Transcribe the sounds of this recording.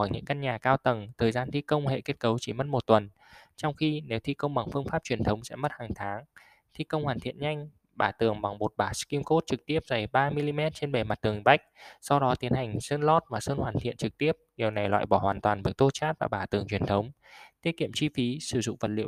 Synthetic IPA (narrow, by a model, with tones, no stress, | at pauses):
ɔ˧˩jɲɨ̰˧˥ŋka˧nɲaː˨˩kaː˧wt̪ə˨˩ŋt̪ʰəː˨˩jzaː˧nt̪ʰi˧kə˧wŋ͡mhḛ˧˨ke˦˥t̚kə˨˦wt͡ɕi˧˩mə˦˥t̚mo˨˩t̚t̪wə˨˩n | t͡ɕɔ˧wŋ͡mxi˧ne˨˦wt̪ʰi˧kə˧wŋ͡mɓa˨˩ŋfɨ˧əŋfaː˦˥p̚t͡ɕwi˨˩ənt̪ʰə˨˦wŋ͡msɛ̰˧˥mə˦˥t̚haː˨˩ŋt̪ʰaː˨˦ŋ | t̪ʰi˧kə˧wŋ͡mhwaː˨˩nt̪ʰḭ˧˨ənɲa˧jŋ̟ | ɓaː˧˩t̪ɨ˨˩əŋɓa˨˩ŋɓo˨˩t̚ɓaː˧˩ski˧mko˦˥t̚t͡ɕɨ˨˩k̚t̪i˦˥əp̚za˨˩jɓaː˧mi˧li˧mɛ˦˥t̚t͡ɕe˧nɓe˨˩ma˨˩t̚t̪ɨ˨˩ə˩ŋɓa˦˥jk̟̚sa˧wɗɔ˨˦t̪i˨˦ənha˨˩jŋ̟səː˧nlɔ˦˥t̚maː˨˩səː˧nhwaː˨˩nt̪ʰḭ˧˨ənt͡ɕɨ˨˩k̚t̪i˦˥əp̚ɲi˨˩əwna˨˩jlwa̰ː˧˨jɓɔ˧˩hwaː˨˩nt̪waː˨˩nvɨ˨˩əkt̪o˧t͡ɕaː˦˥t̚vaː˨˩ɓaː˧˩t̪ɨ˨˩əŋt͡ɕwi˧˩ənt̪ʰə˨˦wŋ͡m | t̪i˦˥ət̚kḭ˧˨əmt͡ɕwi˧fi˨˦sɨ˧˩zʊ̰˧˨ŋ͡mvə˨˩t̚lḭ˧˨